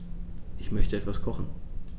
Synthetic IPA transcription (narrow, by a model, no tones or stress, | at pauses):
ʔɪçmœçtəɛtv̥askʰɔχn̩